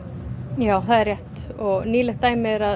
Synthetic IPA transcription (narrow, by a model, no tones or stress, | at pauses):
jaːwθaðɛɾrjɛht̪ɔɣniːlɪxt̪ːaːjmɪɾa